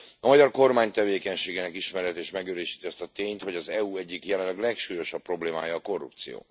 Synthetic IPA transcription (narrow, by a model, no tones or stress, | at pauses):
ɒmɒɟɒrko̞rmaːɲt̪ɛveːkɛɲʃeːɡeːnɛkiʃmɛɾɛt̪eːʃmɛɡøɾeːʃi̥ːt̪iɒst̪ɒt̪eːɲt̪ho̞ɟɒzɛuɛɟːikjɛlɛnlɛɡlɛkʃuːjo̞ʃɒpːro̞bleːma̰ːjɒːko̞rːṵp̚t̪sijo̰ː